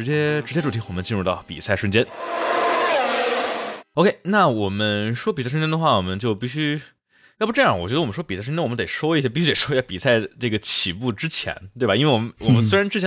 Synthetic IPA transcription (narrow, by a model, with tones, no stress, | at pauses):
ɻ̩˧˥t͡ɕjɛ˥ʈ͡ʂɻt͡ɕjɛ˥ʈ͡ʂu˨˩t̪ʰi˧˥wɔ˨˩mə˦nt͡ɕi˥˧nɻu˥˧t̪ɑ˥˩ʊpḭ˨˩sa˥˩ɪʂə˥nt͡ɕjɛ˥n | o˥ʊkʰe˥ɪna˥˩wɔ˨˩mə˦nʂwɔ˥pi˨˩sʂ̬t͡ɕjɛ˥n˥ə˨xwa˥˩wɔ˨˩mə˦nt͡ɕjo˥˧ʊpi˥˩ɕy˥˩ | pu˧˥ʈ͡ʂjwɔ˨˩t͡ɕɥɛ˧˥ə˧wɔ˨˩m˦n˥ʂwɔ˥pi˨˩sa˥˩ʂə˥t͡ɕnwm˦nt̪e˨˩ɪʂwɔ˥i˥˩ɕ̬jɛ˥pi˥˩˥t̪e˨˩ʂɔ˥˩ɛ˥˩pi˨˩sa˥˧ɪʈ͡ʂɤ˥˩ɡə˩t͡ɕʰi˨˩pu˥˩ʈ͡ʂɻ̩˥t͡ɕʰjɛ̰˧˥nt̪we˥˩ba˩i˥nwe˥˩ɪwɔ˨˩mə˦nwɔ̰˨˩mə˦nswe˥ɻa˧˥nʈ͡ʂɻ̩˥t͡ɕʰɛ˧˥